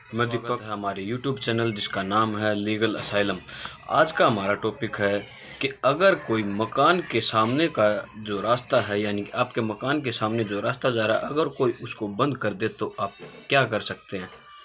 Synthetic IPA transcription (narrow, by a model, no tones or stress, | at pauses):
mɐd̪ɪpəkɦɐmaːɾejuːʈjuːbt͡ʃɛːnəld͡ʒɪskanaːmɦɛliːɡəlɐ̰saːɪləma̰ːd͡ʒkaɦɐmaːɾaʈɔːpɪkɦɛ | kiɐɡəɾkoːimɐkaːnkesaːmnekad͡ʒoːɾaːst̪aɦɛjaːnikaːpkemɐkaːnk̬esaːmned͡ʒoɾaːst̪ad͡ʒaːɾaɦɛ̰ʔɐɡəɾkoːiʔʊskobɐ̃nd̪kɐɾd̪et̪oʔaːp̚kjaːkɐɾsɐk̚t̪eɦɛ̃ː